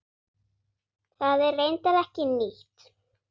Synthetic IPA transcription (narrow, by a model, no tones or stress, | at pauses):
θaðɛɾvejnt̪aðɛhcɪniht̪